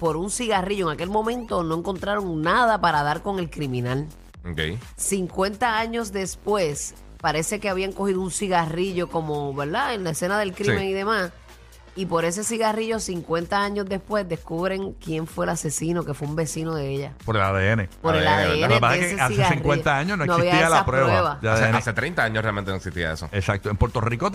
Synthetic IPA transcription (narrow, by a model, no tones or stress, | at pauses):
po̞ɾunsiɣariʝoeŋake̞lmõ̞mẽ̞nt̪o̞no̞eŋko̞nt̪ɾaɾo̞ŋnaðapaɾaðaɾko̞ŋe̞lkɾimĩnal | okḛj | siŋkwẽ̞nt̪aaɲo̞sd̪e̞spwe̞s | paɾe̞se̞keaβiaŋko̞hiðounsiɣariʝo̞ko̞mo̞βeɾðaenlaese̞naðe̞lkɾimeŋiðe̞mas | ipo̞ɾes̬e̞siɣariʝosiŋkwe̞nt̪aaɲosd̪e̞spwe̞sd̪e̞skuβɾe̞ŋkje̞ɱfwe̞lase̞sino̞ke̞fweumbe̞sinoðeeʝapoɾelaðeenepoɾelaðeeaseeeeasieasĩŋkwent̪aaɲosnoenosaiβiatiealaapɾweβaββaeaðseeeaset̪ɾejnt̪aaɲosrealment̪enoeksist̪ia̰ḛso̰esak̚t̪oempwe̞ɾt̪oriko